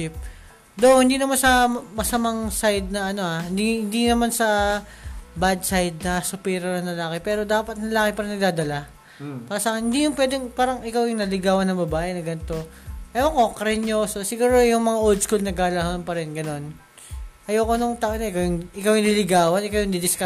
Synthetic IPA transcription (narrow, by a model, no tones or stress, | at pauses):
ip̚ | d̪ohɪnd̪iːnɐmansɐmɐsɐmaŋsajd̪̚nɐʔɐno̞ahɪnd̪ihɪnd̪inɐmansɐ | bad̪̚sajd̪̚nɐsʊpɛɾɐnɐnɐlaːkɛpɛːɾo̞d̪aːpɐt̪̚nɐlaːkɪpɐɾɪnɐɡ̚d̪aːd̪ɐla | paːɾɐsaːknhɪnd̪ijʊŋpwɛːd̪ɛŋpaːɾɐŋʔɪkawjʊŋnɐlɪɡaːwɐnɐbɐbaːʔɛnɐɡɐnt̪o̞ʔɐjokokɐɾɛɲososɪɡuːɾojʊŋmɐŋaʔold̪skulnɐɡalɐɦanpɐɾɛnɡɐno̞n | ʔɐjoːkonoŋt̪ɐʔɐnoʔɪkawjʊŋʔɪkawjʊlɪlɪɡaːwɐnʔɪkawjʊŋd̪ɪd̪ɪska